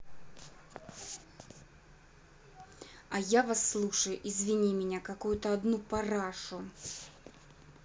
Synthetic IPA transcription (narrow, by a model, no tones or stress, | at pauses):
ɐjavasːlˠuʂəjʊʔizvʲɪnʲimʲɪnʲakɐkujʊt̪əɐd̪nupɐraʂʊ